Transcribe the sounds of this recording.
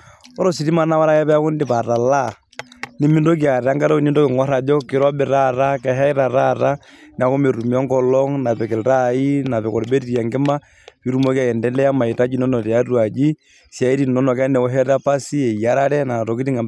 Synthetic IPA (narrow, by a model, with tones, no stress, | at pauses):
o˦ɾo˦si˨ti˦ma˦na˦wa˦ɾa˦ɛ˦pɛ˦kʊ˦ndɪ˨pa˨ɾa˨la˦˨ | ni˦mi˦ndo˦kja˨ɾa˦ŋɡa˦ɾɔ˦ni˦ndo˦kɪ˨ŋɔ˦ɾa˨d͡ʒɔ˦kɪ˨ɾɔ˦bɪ˨ɾa˦ɾa˦kɛ˨ɦɛ˦i˦ɾa˨ɾa˦ɾa˦n˨a˨ko˦me˨ɾu˨m˨˦ɔ˦ŋɡɔ˨lɔ˦ŋna˨pɛ˨kɪ˨lɾa˦i˦na˨pɛ˨kɔ˨ɾbe˦ti˨ɾa˨ŋɡɪ˦ma˦ | pi˦ɾu˦mo˦ki˦a˨jɛ˨ndɛ˦lɛ˦ja˦ma˨i˨ta˦d͡ʒi˨nɔ˦nɔ˨tɛ˨a˦ɾu˦a˨d͡ʒi˦ | sja˨i˦ɾi˨nɔ˦nɔ˨kɛ˦nɛ˨ɔ˦ɦɛ˦ɾa˦pa˦si˦ɛ˨i˨ja˦ɾa˦ɾɛ˦na˨to˨ki˦ti˦ŋa˨